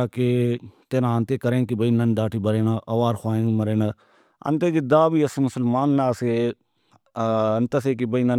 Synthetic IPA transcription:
aket̪enaɐnt̪eːkɐɾẽːkibɐinɐnd̪aːʈʰibɐɾeːnaʔɐʋaːɾxʰaːẽŋmɐɾeːna | ɐ̰nt̪ed͡ʒɪd̪aːbiːɐsmʊsəlmaːnːaːse | ɐnt̪ɐs̬eːkibəinɐ

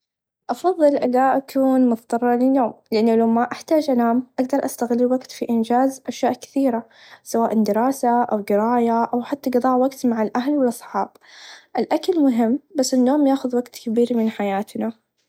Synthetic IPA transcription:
ʔɑfɑðˤːɨlʔɪlːaʔakʰuːnmʊt̪t̪ˤɑrˤːɑlɪnːoːmlɪʔanːʊlawmaʔaħt̪aːd͡ʒʔalaːmʔaɡd̪ɑɾˤʔast̪aɣɪlːwaɡt̪fiʔɪnd͡ʒaːzʔaʃjaːʔkɪ̥θiːɾa | sawaːʔɪnd̪ɪɾɑːsaʔawɡɪɾaːjaʔawħat̪ːaɡɑd̪ˤɑːʕwaɡt̪maʕalʔaɦlwɪlːɑsˤħɑːb̥ | ʔɪlʔakalmʊɦɪmːbasːɪnːoːmjaːxʊðwaɡt̪kabiːɾmɪnħajaːt̪na

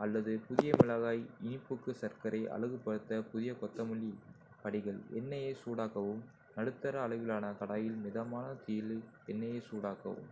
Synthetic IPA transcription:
ɐlːɐðɯpʊðɪjɐmɪɭɐɣaːjɪnɪpːɯkːɯsɐɾkɐɾɐɪʔɐ̰ɭɯɣɯpːɐɽɯt̪ːɐpʊðɪjɐkɔt̪ːɐmɯɭːi | pɐɽɪɣɐɭɛ̰nːɐjeːsuːɽaːkɐʋɯm | nɐɽɯt̪ːɐɾɐːɭɐɪʋɪlaːnɐkɐɽaːjɪlmɪðɐmaːnɐt̪ijɪlɛnːɐjeːsuːɽaːkɐ̰ʋɯ̰m

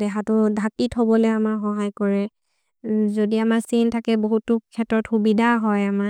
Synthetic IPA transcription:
dɛɦatʊdʱakithobɔlɛamaɹxɔɦajkɔɹɛ | zodiamaɹsintʰakɛboɦutːʊkʰɛtɹɔtxubidʱaɦɔjama

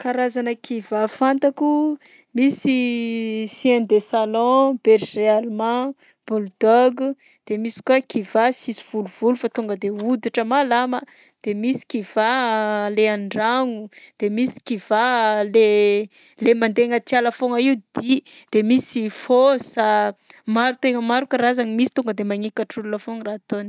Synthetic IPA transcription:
kaɾazanəkʰivafant̪aku | misi | siãnd̪esalɔ̃b̥eɾrealmã | b̥uld̪ɔɡu | d̪̥emisi̥kuakivasisiv̥uluv̥ulufat̪uŋɡəd̪eud̪iʈ͡ʂəmalamə | d̪̥emisi̥kiv̥aleaɳɖ͡ʐaŋud̪̥emisi̥kivale | lemand̪eŋət̪ialafoŋaid̪̥i | d̪̥emisifosamaɾut̪eŋəmaɾukəɾazaŋimisi̥t̪uŋɡəd̪emaŋikaʈ͡ʂululafoŋraːt̪oni̥

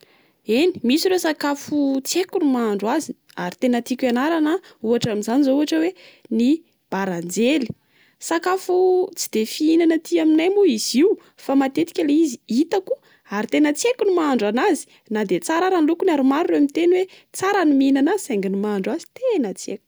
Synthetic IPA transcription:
eni̥misiɾesakafut͡sekunimaɳɖ͡ʐwazi | aɾit̪enət̪ikʲanaɾanauaʈ͡ʂaminzanizouɦaʈ͡ʂəweni | b̥aɾand͡zeli̥ | sakafut͡si̥d̪̥efiinanət̪iaminajmuiz̥iw | famat̪et̪i̥kʲaleiziit̪aku̥ | aɾit̪enət͡sekunimaaɳɖ͡ʐanazi̥ | nad̪et͡saɾaɾanlukunaɾumaɾureamit̪enwe | t͡saɾanimiinanasaŋɡinimaɳɖ͡ʐwazi̥t̪ʰenat͡sḛku̥

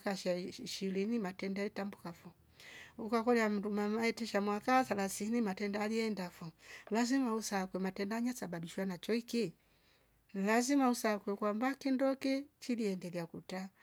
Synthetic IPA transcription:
kaʃaʃilinimatɛndaalitambukafu | ukakɔliam̩dumamaɛtɛʃamwakaθalaθinimatɛndaaliɛndafulazimausakwɛmatɛndaɲasababiʃwanat͡ʃɔiki | nlazimausakwɛkwambakindɔkɛt͡ʃiliɛndɛɡakuta

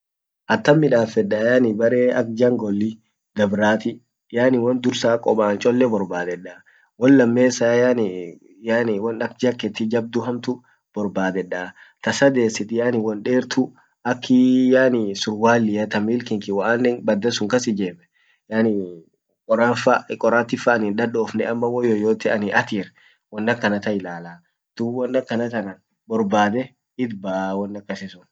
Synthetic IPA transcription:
ʔɐt̪ːɐmːɪᶑaːfɛᶑajaːnɪbɐɾeːɐ̰k̚d͡ʒɐŋɡɔlːɪ | d̪ɐbɾaːt̪ɪ | jaːnɪwɐnd̪ʊɾsaːkʼɔbaːnt͡ʃʼɔlːɛbɔɾbaːd̪ɛᶑaː | wɔnlɐmːe̞ːsaːjaːnɪ | jaːnɪwɐnɐkd͡ʒɐkːɛt̪ːɪd͡ʒɐb̚d̪ʊɦɐmt̪ʊ | b̥ɔɾbaːd̪ɛᶑaː | t̪ɐsɐd̪e̞ːsːɪt̪ɪjaːnɪwɔnᶑeːɾt̪ʰʊ | ɐkʰːɪjaːnɪsʊɾwaːlːɪjɐt̪ɐmiːlkɪŋkɪwaaːnːɛŋbɐd̪ːɐsʊŋkɐsɪd͡ʒeːmɛ | janɪ | kʼɔɾafakʼɔɾaːt̪ɪfɐːnɪnᶑɐᶑɔːfnɛɐmːɐwɔjoːjoːt̪ɛʔɐnɪʔɐt̪iːɾ | wɔnːɐkːɐnɐt̪ɐɪlaːlaː | d̪̥ʊwɔnːɐkːɐnɐt̪ɐnɐn | bɔɾbaːd̪ɛ | ɪd̪bawɔnːɐkʼːɐsɪsʊn

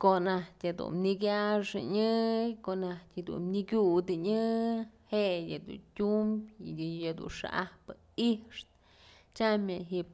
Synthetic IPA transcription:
konahtʲad̪ṵnniɡʲaʂɨɲɨkoʔnahtʲad̪ṵnniɡʲud̪ɨɲɨheʔjad̪ṵtʲumbʲjad̪ṵnʂa̰ʔahpɨ | iʂt̪ | t͡ʃamjaɦip̚

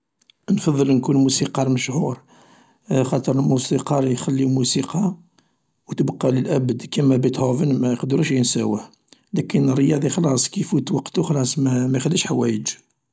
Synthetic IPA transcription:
nfɑðˤːəlnkunmusiqɑɾˤməʃʕuɾ | xɑt̪ˤəɾˤəlmusiqɑɾˤjxælːimusiqɑ | wt̪əbqːɑləlʔæbəd̪kæmæbit̪hovənmæjəqd̪ɾuʃjənsæwəh | lækənərːjɑd̪ˤixlɑsˤkifut̪wɑqt̪ʊxlˤɑsˤmæmæjxəlːiʃħawæjəd͡ʒ

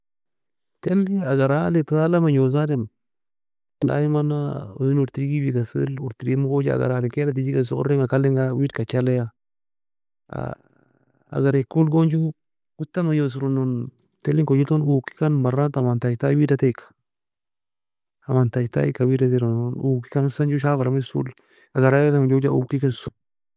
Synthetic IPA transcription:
telːiŋaɡaɾalitaalamaɲozadem | da̰jimanao̰jinuɾtiɾiɡibiɡasḭluɾtiɾiimukod͡ʒia̰ɡa̰ɾalikelat̬id͡ʒias̬uo̰ɾiŋakalːiŋɡawidkat͡ʃalaja | a̰ | a̰ɡaɾekːulɡond͡ʒu | ɡ̥ʊt̪ːamajos̬uɾʊnon | t̪ɛlɪŋkod͡ʒɪt̪onuːki̥kɐnbɐrat̪amant̪ajt̪awidɐt̪ekːḁ | amant̪ajt̪a̰ɪ̰kːawidat̪eɾɔnonukːi̥kansɐnd͡ʒuʃ̬aːfaɾamɪsṵl | aɡaɾatamad͡ʒod͡ʒaʔṵkikansu

